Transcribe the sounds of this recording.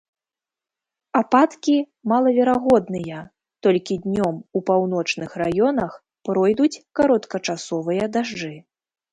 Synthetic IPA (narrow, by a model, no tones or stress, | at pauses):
apat̪kʲi | malˠɐvʲɛɾaɣɔd̪nɨjɐ | t̪ɔlʲkʲid̪ʲnʲɔmupawnɔt͡ʂnɨxrajɔnɐx | pɾɔjd̪ut͡sʲkaɾɔt̪kɐt͡ʂasɔvɨjɐd̪aʐd͡ʐɨ